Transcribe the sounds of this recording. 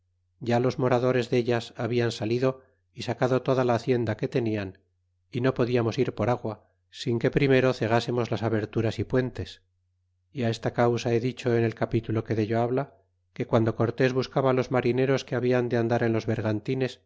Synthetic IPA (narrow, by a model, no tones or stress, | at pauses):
ɟ͡ʝalo̞zmo̞ɾaðo̞ɾe̞zðe̞ʎasaβiansaliðo̞ | isakaðo̞t̪o̞ðalaːθje̞nd̪ake̞t̪e̞nian | ino̞po̞ðiamo̞siɾpo̞ɾaɣwa | siŋke̞pɾime̞ɾo̞θe̞ɣ̞ase̞mo̞zlasaβe̞ɾt̪uɾasipwe̞nt̪e̞s | iae̞st̪akawsae̞ðit͡ʃo̞ene̞lkapit̪ulo̞ke̞ðeʎoaβla | ke̞kwand̪o̞ko̞ɾt̪e̞zβuskaβalo̞zmaɾine̞ɾo̞ske̞aβiand̪eand̪aɾe̞nlo̞zβe̞ɾɣant̪ine̞s